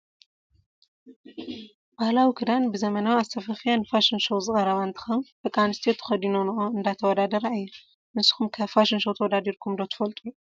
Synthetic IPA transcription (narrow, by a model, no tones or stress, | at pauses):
bahlawikʰɨd̪anbɨzɐmɐnawiast̪ʰɐfɐfijanːɨfaʃinʃɐwzɨkʼɐɾɐβant̪ʰi̥xɐmfɐkʼanɨst̪ijot̪ʰɨ̥xɐd̪inonɨʔoɨnd̪at̪ʰɐwɔd̪ad̪ɐɾaɨjːɛ | nɨsɨ̥xumkʰɐfaʃɪnʃɐwt̪ʰɐwɔd̪ad̪iɾkʰumd̪ot̪ɨ̥fɐlt̪ʼu